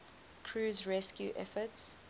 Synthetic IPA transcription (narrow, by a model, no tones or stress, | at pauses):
kʰɹuːzɹɛskjuʔɛ̰fəts